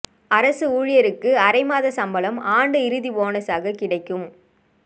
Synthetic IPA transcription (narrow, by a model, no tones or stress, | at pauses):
ɐɾɐsɯuːɻɪjɐɾɯkːɯɐɾɐɪmaːðɐsɐmbɐlɐmaːɳɖɯɪɾɯðiʋoːnɐsaːɣɐkɪɽɐɪkːɯm